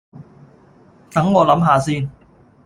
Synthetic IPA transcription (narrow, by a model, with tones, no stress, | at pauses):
t̪ɐ˨˥ŋːɔː˨˧lɐ˨˥mɦaː˨˧siː˧n